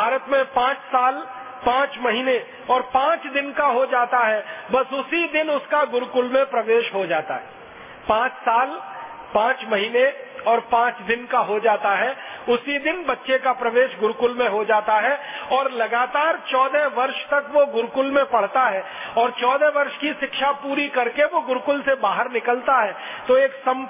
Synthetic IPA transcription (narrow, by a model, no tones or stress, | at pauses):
bbʱaːɾət̪mẽpãːt͡ʃsaːl | pãːt͡ʃmɐɦine | ɔːɾpãːt͡ʃd̪ɪnkaɦod͡ʒaːt̪aɦɛbɐsʊsid̪ɪnʊskaɡʊɾkʊlmẽpɾɐʋeːʃɦod͡ʒaːt̪aɦɛː | pãːt͡ʃsaːl | pãːt͡ʃmɐɦineɔːɾpãːt͡ʃd̪ɪnkaɦod͡ʒaːt̪aɦɛʊsid̪ɪnbɐtːʃekapɾɐʋeːʃɡʊɾkʊlmẽɦod͡ʒaːt̪aɦɛɔːɾlɐɡaːt̪aːɾt͡ʃɔːd̪ʱeʋɐɾʃt̪ɐkʋoɡʊɾkʊlmẽpɐɽ̤t̪aɦɛː | ɔːɾt͡ʃɔːd̪ʱɛʋɐɾʃkiʃɪkʃapuːɾikɐɾkeʋoɡʊɾkʊlsebaːɦəɾnɪkəlt̪aɦɛː | t̪oeːksɐ̃m